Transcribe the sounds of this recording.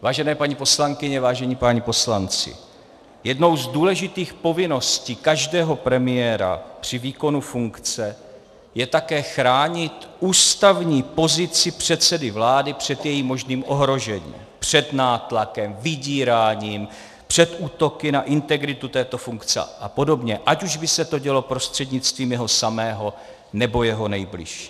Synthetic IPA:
vaːʒɛnɛːpaɲipo̞slaŋkɪɲɛvaːʒɛɲiːpaɲipo̞slant͡sɪ̰ | jɛdno̞wzduːlɛʒɪt̪iːxpo̞vɪno̞sciːkaʒdɛːɦo̞pɾɛmɪɛɾa̰pr̝̥ɪviːko̞nufuŋkt͡sɛ | jɛt̪akɛːxɾaːɲɪt̪ʔuːst̪avɲiːpo̞zɪt͡sɪpr̝̥ɛt̪t͡sɛdɪvlaːdɪpr̝̥ɛt̪jɛjiːmːo̞ʒniːmʔo̞ɦɾo̞ʒɛɲḭːmpr̝̥ɛd̪naːt̪lakɛmvɪɟiːɾaːɲiːm | pr̥ɛt̪ʔuːt̪o̞kɪnaʔɪnt̪ɛɡɾɪt̪ut̪ɛːt̪o̞fuŋkt͡sɛ̰ʔapo̞do̞bɲɛʔacuʒbɪsɛt̪o̞ɟɛlo̞pɾo̞st̪r̥ɛd̪ɲɪt͡st̪viːmjɛɦo̞samɛːɦo̞ | nɛbo̞jɛɦo̞nɛjblɪ̰ʃi̥

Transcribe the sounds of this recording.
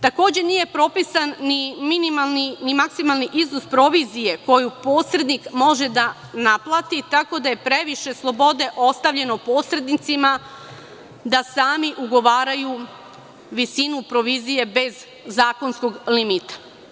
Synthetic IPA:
t̪ako̞ːd͡ʑe̞nije̞pɾo̞pisanːiminimalninimaksimalˠniʔiznospɾo̞ʋizije̞ko̞jupo̞ːsɾe̞d̪nikmo̞ʒe̞d̪a | naplˠat̪it̪ako̞d̪aje̞pɾe̞ʋiʃe̞slˠo̞bo̞d̪e̞ʔo̞st̪aʋʎe̞no̞po̞sɾe̞d̪nit̪sima | d̪asaːmiʔuɡo̞ʋaːɾaju | ʋisinupɾo̞ʋizije̞be̞zː | aːkonsko̞ɡlimit̪ḁ

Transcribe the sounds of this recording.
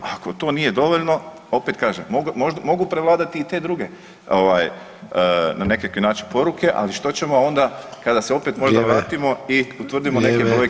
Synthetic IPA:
ako̞t̪o̞ːnije̞d̪o̞ʋo̞ʎno̞ | o̞pet̪̚kaːʒemːoɡmoʒd̪mo̞ɡupɾeʋlˠaːd̪at̪iːt̪e̞ːd̪ɾuːɡe̞ | oʋaːj | ənane̞kakinaːt͡ʃinpo̞ɾukʰe̞ʔa̰liʃt̪o̞t͡ɕe̞mo̞o̞nd̪akad̪aseo̞pe̞t̪mo̞ʒd̪aʋɾaːt̪imo̞iut̪ʋr̩d̪imo̞ne̞kepɾojek

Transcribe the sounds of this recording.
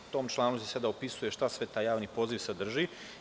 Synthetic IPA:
t̪o̞ːmt͡ʃlˠaːnusesad̪aopisuje̞ʃt̪asʋe̞t̪aːjaːʋniːpo̞ziːʋsad̪r̩ʒi

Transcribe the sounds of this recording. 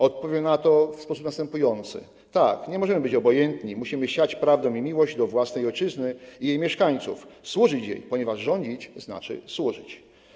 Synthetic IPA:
ɔt̪̚pɔvʲjɛmnat̪ɔfspɔsupnast̪ɛmpujɔnt̪sɘ̰ | t̪akɲɛmɔʐɛmɘbɘt͡ɕɔbɔjɛnt̪ɲimuɕimɘɕat͡ɕpɾavd̪ɔ̃w̃imʲiwɔʑd͡ʑd̪ɔvwasnɛjɔjt͡ʂɘznɘijejmʲjɛʂkaɲt̪sṵfswuʐɘt͡ɕjḛjpɔɲɛvaʐʐɔɲd͡ʑit͡ɕzna̰t͡ʂɘ̰swuʐɘ̰t͡ɕ

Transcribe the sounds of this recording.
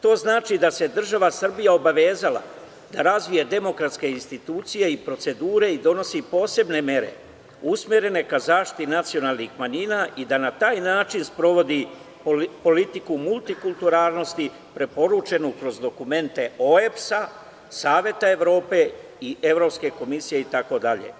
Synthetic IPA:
t̪o̞ːznaːt͡ʃid̪ase̞d̪r̩ʒaʋasr̩bijao̞baʋe̞ːzala̰ | d̪aɾazʋijed̪e̞mo̞kɾat̪ske̞inst̪it̪uːt̪sije̞ipɾo̞t̪se̞d̪uːɾe̞id̪o̞no̞sipo̞ːse̞bne̞mje̞ɾe̞̰ | usmjeɾe̞ne̞kazaːʃt̪i̥t̪inat̪sio̞naːlnixmaɲiːnaʔid̪anat̪aːjnaːt͡ʃinspɾo̞ʋo̞d̪i | po̞lit̪ikumulˠt̪ikulˠt̪uɾaːlˠno̞st̪i | pɾe̞po̞ɾut͡ʃe̞nukɾo̞zd̪o̞kume̞nt̪e̞o̞epsa | saːʋje̞t̪ae̞ʋɾo̞ːpe̞ | iʔe̞ʋɾo̞pske̞ko̞misije̞it̪ako̞d̪aʎḛ

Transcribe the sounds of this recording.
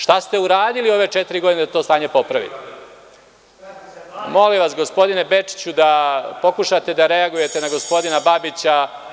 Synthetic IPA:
ʃt̪ast̪e̞uɾaːd̪ilio̞ʋe̞t͡ʃet̪iɾiɡo̞d̪ineat̪ost̪aːɲe̞po̞pɾaʋḭ | mo̞limʋasɡo̞spo̞d̪ine̞be̞t͡ʂi̥t͡ɕud̪apo̞kuʃat̪e̞d̪aɾe̞aɡuje̞t̪e̞naɡo̞spo̞d̪inababit͡ɕa

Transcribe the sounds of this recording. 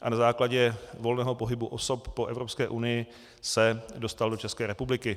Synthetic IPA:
ʔanazaːklaɟɛvo̞lnɛːɦo̞po̞ɦɪbuʔo̞so̞pːo̞ʔɛvɾo̞pskɛːʔunɪjɪ | sɛdo̞st̪aldo̞t͡ʃɛskɛːɾɛpublɪkɪ

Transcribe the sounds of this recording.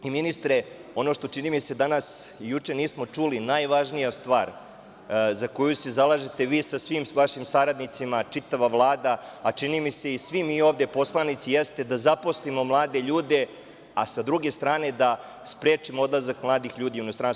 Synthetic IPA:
iminist̪ɾeo̞no̞ʃt̪o̞t͡ʃinimise̞d̪anasijut͡ʂe̞niːsmo̞t͡ʂulinajʋaʒnijast̪ʋaːɾ | zako̞juse̞zalˠaʒet̪eʋiːsasʋimʋaʃimsaɾad̪nit̪simat͡ʃit̪aʋaʋlˠaːd̪aːt͡ʃinimise̞isʋimiːo̞ʋd̪e̞po̞slˠanit̪sijest̪e̞d̪azapo̞slimo̞mlˠaːd̪e̞ʎuːd̪e̞ | asad̪ɾuɡe̞st̪ɾaːne̞d̪a | spɾe̞ːt͡ʂimoo̞d̪lˠazakmlˠaːd̪ixʎuːd̪ijuno̞st̪ɾans

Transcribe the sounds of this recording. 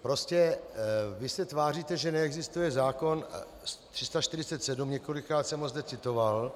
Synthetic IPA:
pɾo̞scɛ | vɪsɛt̪vaːriːt̪ɛʒɛnɛɛɡzɪst̪ujɛzaːko̞n | st̪r̥ɪst̪aʃt̪ɪɾɪt͡sɛt̪sɛdumɲɛko̞lɪkɾaːt̪sɛmɦozd̪ɛt͡sɪt̪o̞val

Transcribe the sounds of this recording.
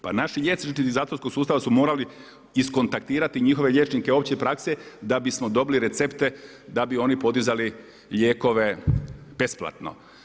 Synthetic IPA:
pa̰naʃiʎe̞t̪sit̪iizaːt̪oɾsko̞ɡsuːst̪aʋasumo̞ːɾali | isko̞nt̪ak̚t̪iːɾat̪iɲixo̞ʋe̞ʎe̞t͡ʃnikeo̞pt͡ɕepɾaksed̪abismo̞d̪o̞biliɾe̞t̪se̞pt̪e̞ | d̪abio̞nipo̞d̪izali | ʎeːko̞ʋe̞b̥e̞splˠa̰t̪no̰

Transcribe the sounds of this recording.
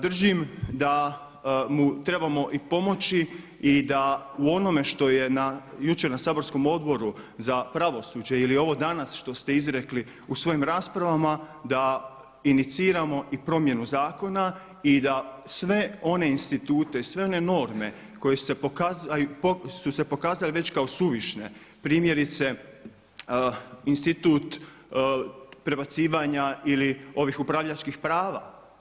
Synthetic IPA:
d̪r̩ʒimd̪a | mut̪ɾe̞bamo̞ʔipo̞mo̞t͡ɕi | id̪auo̞no̞me̞ʃt̪o̞je̞najut͡ʃe̞ɾnasaːbo̞ɾsko̞mo̞d̪bo̞ɾuzapɾaʋo̞suːd͡ʑe̞ilio̞ʋo̞d̪anasʃt̪o̞st̪e̞izɾe̞kli | usʋo̞jimɾaːspɾaʋamad̪a | init̪siːɾamo̞ʔipɾo̞mje̞nuzaːko̞na | id̪asʋe̞o̞ne̞inst̪it̪uːt̪e̞sʋe̞o̞ne̞no̞ɾme̞ | ko̞jesepkazajuosuse̞po̞kaːzaliʋe̞t͡ɕkao̞suʋiʃne | pɾiːmje̞ɾit̪se̞ | inst̪it̪uːt̪ | pɾe̞bat̪siːʋaɲailio̞ʋixupɾaʋʎat͡ʃkixpɾaːʋa̰

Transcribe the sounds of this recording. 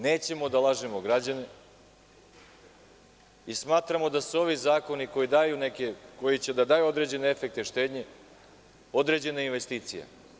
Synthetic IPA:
ne̞ːt͡ɕe̞mo̞d̪alˠaʒemoɡɾad͡ʑane | ismaːt̪ɾamo̞d̪asuo̞ʋizaːko̞niko̞jid̪aːjune̞keko̞jit͡ɕe̞d̪ad̪aːjuo̞d̪ɾe̞d͡ʑe̞neefek̚t̪eʃt̪e̞ːd̪ɲe̞ | o̞d̪ɾe̞d͡ʑe̞neinʋe̞st̪iːt̪sija̰

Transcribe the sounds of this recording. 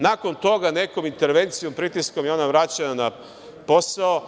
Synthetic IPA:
nako̞nt̪o̞ɡane̞komint̪e̞ɾʋe̞nt̪sijompɾit̪iskomjeo̞naʋɾat͡ɕenana | po̞sao

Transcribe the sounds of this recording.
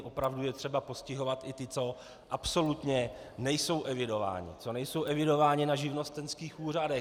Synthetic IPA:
ʔo̞pɾavdujɛt̪r̝̥ɛbapo̞scɪɦo̞vat̪ɪt̪ɪt͡so̞ | ʔapso̞lut̪ɲɛ | nɛjso̞wʔɛvɪdo̞va̰ːɲɪ̰t͡so̞nɛjso̞wʔɛvɪdo̞vaːɲɪnaʒɪvno̞st̪ɛnskiːxʔuːr̝adɛ

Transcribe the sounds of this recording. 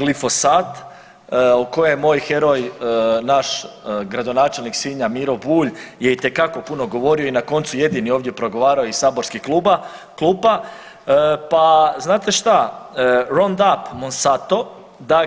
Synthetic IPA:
ɡlifo̞saːt̪ | oko̞jejemo̞ːjxe̞ɾo̞jnaʃɡɾad̪o̞naːt͡ʃe̞lniksiɲamiɾobuːʎje̞it̪e̞kako̞puno̞ɡo̞ʋo̞ɾio̞inako̞nt̪suje̞d̪inioːʋd̪jepɾo̞ɡo̞ʋaːɾaoisaːbo̞ɾskiklˠuba | klˠuːpa | paznaːt̪e̞ʃt̪a | ɾond̪apmonsat̪o̞ | d̪a

